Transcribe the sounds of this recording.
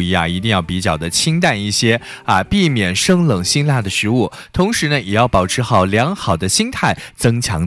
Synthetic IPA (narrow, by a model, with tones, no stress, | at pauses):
i˥˩a̰˧i˧˥t̪̬i˥˧ŋjɑ˥˩ʊpi˧˥t͡ɕjɑ˨˩ʊd̪ə˦t͡ɕʰi˥ŋt̪a˥˧ni˥˩ɕjɛ˥ | ɐ˧pi˥˩mjɛ˨˩nʂɤ˥ŋlɤ˨˩ŋɕi˥nla˥˩d̪ə˩ʂɻ̩˧˥u˥˩t̪ʰʊ˧˥ŋʂɻ̩˧˥nə˧jɛ˨˩jɑ˥˩ʊpɑ˨˩ʊʈ͡ʂʰɻ̩˧˥xɑ˨˩ʊljɑ˧˥ŋxɑ˨˩ʊd̪ə˦ɕi˥ŋt̪ʰa˥˩ɪt͡sɤ˥ŋt͡ɕʰjɑ̰˧˥ŋ